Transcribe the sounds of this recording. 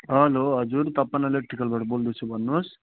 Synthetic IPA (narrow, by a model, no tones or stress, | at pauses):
ɦɐloːɦɐd͡ʒuɾt̪ɐpːɐnelek̚ʈɾikɐlbɐʈbold̪usubɐnːus